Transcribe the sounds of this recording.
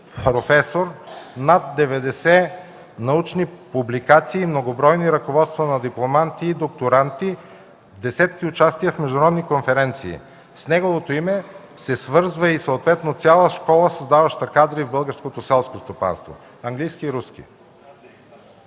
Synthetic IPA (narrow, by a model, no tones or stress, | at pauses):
pɾofɛsoɾnat̪̚d̪ɛvɛd̪ɛsɛ | nɐut͡ʃnipublikat̪siːmnoɡobɾɔjniɾɐkovɔt̪st̪vənɐd̪iplˠomant̪iːd̪ok̚t̪oɾant̪i | vd̪ɛsɛt̪̚kiʊt͡ʃast̪iəfmɛʒd̪ʊɾɔd̪nikonfɛɾɛnt̪sḭː | snɛɡovot̪oimɛ | sɛsvɤɾzvəisoot̪vɛt̪not̪sʲalˠəʃkɔlˠəsɐzd̪avɐʃt̪ɐkad̪ɾivbɤlˠɡəɾskot̪osɛlˠskost̪opa̰nst̪vo̰ | ɐŋɡlijskiːɾuskḭ